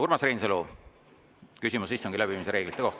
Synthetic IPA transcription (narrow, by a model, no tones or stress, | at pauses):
urmɑsreːnselu | kysʲimusisːoŋɡilæbimiseɾe̞ːɡ̥lit̪ːˑeoht̪